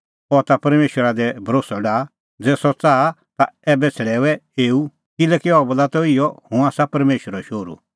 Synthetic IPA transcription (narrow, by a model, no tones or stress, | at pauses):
ɔt̪apɐɾmeːʃwəɾad̪ɛbʱɐɾoːsɔɖaː | d͡zɛːsɔt͡saːt̪aɛːbɛt͡sʰɛɽɛːʋɛeːu | kɪlɛːkiɔbəlat̪ɔɪjɔhũaːsapɐɾmeːʃwəɾɔʃoːɾṵ